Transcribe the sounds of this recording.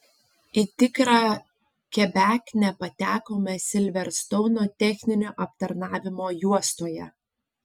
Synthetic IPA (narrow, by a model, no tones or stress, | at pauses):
it̪ʲɪkɾɑː | kʲɛbʲæːkʲnʲɛpɐt̪ʲæːkoːmʲɛsʲɪlʲʋʲɛɾst̪ɔʊnoːt̪ʲɛxʲnʲɪnʲoːʔɐp̚t̪ɐɾnɑːʋʲɪmoːjuɔst̪oːjɛ̰